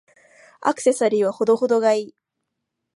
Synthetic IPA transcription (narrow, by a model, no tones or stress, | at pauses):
a̰kɯ̥se̞saɾʲiːβ̞aho̞d̪o̞ho̞d̪o̞ɡaiː